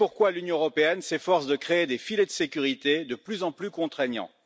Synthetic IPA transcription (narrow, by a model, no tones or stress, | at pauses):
puʁkwalynjɔ̃øʁɔpeɛnsefɔʁsd̪əkχeːd̪efiled̪əsekʲyʁit̪ed̪əplyzɑ̃plykɔ̃t̪χeɲjɑ̰̃